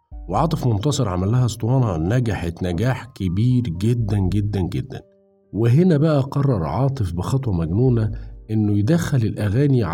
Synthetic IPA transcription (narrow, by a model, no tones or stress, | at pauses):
weʕɑːt̪ˤɨfmont̪ɑsˤeɾˤʕamælːæhæst̪ˤwɑːnɑnæɡæħet̪næɡaːħkɪbiːɾɡed̪ːænɡed̪ːænɡed̪ːæ̰n | wɪɦɪnæbæʔæqɑrˤːɑɾˤʕɑːt̪ˤɨfbɪxɑt̪ˤwɑmæɡnuːnæʔenːʊjɪd̪æxːælɪlʔæɣæːniʕ